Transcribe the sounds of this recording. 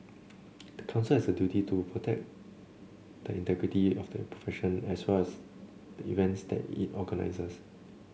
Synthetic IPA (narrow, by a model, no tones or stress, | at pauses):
d̪̥əkʰãnsəlɛsdədjutitupʰɹotʰɛk̚ | d̥əĩntɛɡɹitiɔfdə̰pʰɹo̥fɛʃə̃nɛswɛlɛs | d̥əḭvɛ̃ntsdɛ̰tḭtɔɡəna̰ɪsəs